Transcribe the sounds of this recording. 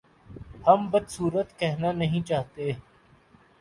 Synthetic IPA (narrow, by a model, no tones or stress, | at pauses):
həmbəd̪suːɾət̪kɛɦnanɐɦĩt͡ʃaːɦt̪e